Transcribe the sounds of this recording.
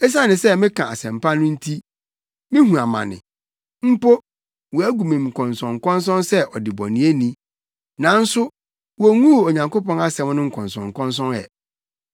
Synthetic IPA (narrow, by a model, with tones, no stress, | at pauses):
ɛ˦s̬a˦nɪ̃˨sɛ˦mɪ̃˦kʰã˨a̰˨sɛ̃˨mpa˦nʊ̃˦n̩˦tʰi˦ | mɪ̃˦ɦũ˨a˨mã̰˨nɪ̰̃˨ | m̩˦po˦ | wɔ˨æ˦ɡu˨mĩ˨m˨kʰɔ̃˨nsɔ̃˨ŋ˨kɔ̃˦ns̬ɔ̃˦nsɛ˦ʔɔ˨dɪ˨bɔ̰˨nĩ˨˦e˦nĩ˦ | nã˨˦n̩˦sʊ˦ | wo˨ŋũ˦˨o˨ɲã˨ŋko˦pɔ̃˦na˦sɛ̃˦m˦nʊ̃˦ŋ̩˦˨kʰɔ̃˨nsɔ̰̃˨ŋ̩˨kʰɔ̃˦ns̬ɔ̃˦nɛ̰˨